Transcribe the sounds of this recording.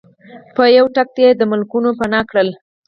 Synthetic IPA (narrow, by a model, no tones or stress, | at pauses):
pəjawʈak̚t̪jed̪əmʊlkunopanɑkɽəl